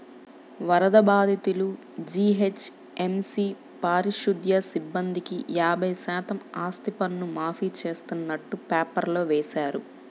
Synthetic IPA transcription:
ʋɐɾɐd̪ɐbaːd̪ʱit̪ulu | d͡ʒiːɦet͡ʃ | emsi | paːɾiʃud̪jɐsibːɐnd̪ikijaːbɐjsaːt̪ɐmaːst̪ipɐnːumaːfiːt͡ʃe̞ːst̪unːɐʈːupaːpɐɾlo̞ːʋɛːʃaːɾu

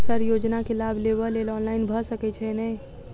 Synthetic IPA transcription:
səɾjod͡ʒnakelabʱlebəlelɔnlaɪinbʱəsəkɛt͡ʃʰɛnɛ

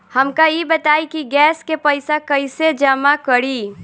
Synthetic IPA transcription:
həmkajibət̪aːikiɡɛːskepəɪsakəɪsed͡ʒəmakəɾiː

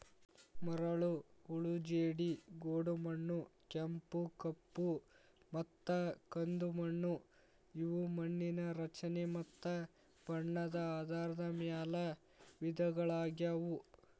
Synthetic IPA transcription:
mɐɾɐɭuuɭud͡ʒeːɽiɡoːɽumɐɳːukempukɐpːu | mɐt̪ːɐkɐnd̪umɐɳːu | iʋumɐɳːinɐɾɐt͡ʃɐnemɐt̪ːɐ | b̥ɐɳːɐd̪ɐaːd̪ʱaːɾɐd̪ɐmjaːlɐ | ʋid̪ʱɐɡɐɭaːɡjaʋu

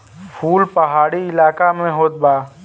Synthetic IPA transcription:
pʰuːlpɐɦaːɽiɪlaːkamẽɦoːt̪̚baː

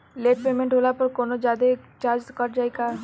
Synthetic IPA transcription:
leːʈ̚peːmẽɳʈɦoːlapəɾkoːnod͡ʒaːd̪et͡ʃaːɾd͡ʒkəɾd͡ʒaːeɡaː

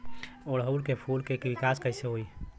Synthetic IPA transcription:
ɔːɾɦəwlkepʰulkekiʋikaskəɪseɦoi

